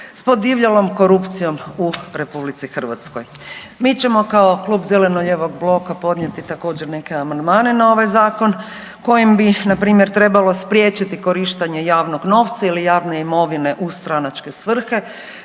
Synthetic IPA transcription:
spo̞d̪iʋʎalo̞mko̞ɾupt̪sijo̞muɾe̞publit̪sixr̩ʋa̰t̪skoj | miːt͡ɕe̞mo̞kao̞klˠuːbzele̞noʎeʋo̞ɡblˠo̞kapo̞d̪nɲje̞t̪it̪ako̞ːd͡ʑeɾne̞keamand̪maːne̞nao̞ʋajzaːko̞n | ko̞jimbinapɾiːmje̞ɾt̪ɾe̞balˠo̞spɾʲjet͡ɕit̪iko̞ɾiʃt̪aɲe̞jaːʋno̞ɡno̞ːʋt̪sailijaːʋne̞imo̞ʋine̞ʔust̪ɾanat͡ʃke̞sʋr̩xe̞

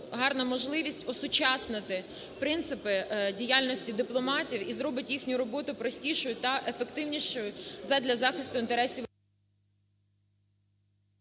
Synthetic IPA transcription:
ɦɑrnɐmɔʒlˠɪʋʲisʲtʲɔsʊt͡ʃɑsnɪt̪ɪ | pɾɪnt̪sɪpɪdʲijalʲnɔsʲtʲid̪ɪplˠɔmɑtʲiwizɾɔbɪtʲjixnʲʊɾɔbɔt̪ʊpɾɔsʲtʲiʃɔjʊt̪ɐʔefekt̪ɪwnʲiʃɔjʊzɐd̪ʲlʲɐzɑxɪst̪ʊint̪eɾɛsʲi

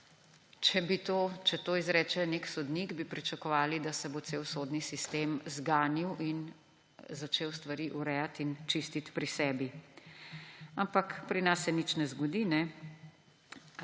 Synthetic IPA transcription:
t͡ʃɛbit̪ot͡ʃɛt̪oːizɾɛːt͡ʃɛneksɔd̪niɡbipɾit͡ʃɐkɔʋaːlid̪asɛbot̪seːwsoːd̪nisist̪eːmzɡaːniwʔin | zat͡ʃeːwst̪ʋaɾiʔuɾɛjat̪int͡ʃist̪it̪pɾisɛːbi | ampakpɾinasːɛnit͡ʃnɛzɡɔd̪inɛ

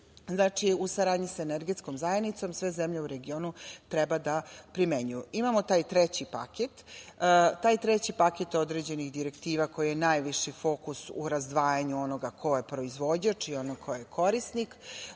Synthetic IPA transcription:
znat͡ʂiusaɾaːd̪ɲiseneɾɡet̪sko̞mzajenit̪so̞msʋe̞zemʎeuɾe̞ɡio̞ːnut̪ɾɛbad̪apɾimeɲujuʔimamo̞t̪aːjt̪ɾɛt͡ɕipa̰ket̪ | t̪aːjt̪ɾɛt͡ɕipaket̪o̞d̪ɾed͡ʑe̞niɣd̪iɾekt̪iːʋako̞jijenajʋiʂifo̞kusṵɾazd̪ʋaːjaɲuo̞noɡakʰo̞jepɾo̞izʋo̞d͡ʑat͡ʂio̞nokʰojekʰo̞ɾisnik

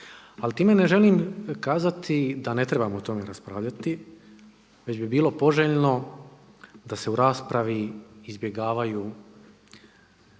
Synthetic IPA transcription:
alt̪iːme̞ne̞ʒe̞liːmkaːzat̪ʰid̪ane̞t̪ɾe̞bamoot̪o̞me̞ɾaspɾaːʋʎat̪i | ʋe̞d͡ʑbibiːlˠo̞po̞ʒeːʎno̞ | d̪ase̞uɾaːspɾaʋiizbje̞ɡaːʋajuː

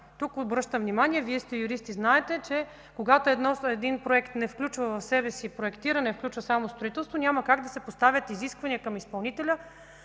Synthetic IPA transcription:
t̪ukobɾɤʃt̪əmvnimanʲiɛviɛst̪ɛjʊɾist̪iznaɛt̪ɛt͡ʃɛ | koɡat̪oɛd̪nɔɛd̪inpɾoɛkt̪nɛfklʲut͡ʃvəvɐfsɛbɛsipɾoɛkt̪iɾənɛfklʲut͡ʃvɐsamost̪ɾoit̪ɛlˠst̪vonʲamɐkaɡd̪ɐsɛpost̪avʲjət̪iziskvɐnʲiəkɐmispɐlˠnit̪ɛlʲə

